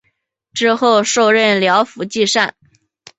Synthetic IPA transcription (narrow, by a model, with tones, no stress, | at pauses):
ʈ͡ʂɻ̩˥xo˥˧ʊʂo˥˧ʊɻə˥˩nljɑ˧˥ʊfu˧˥t͡ɕi˥˧ʂa˥˩n